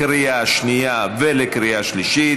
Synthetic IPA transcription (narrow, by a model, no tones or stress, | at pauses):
ɾijaʃnijavelekɾijaʃliʃit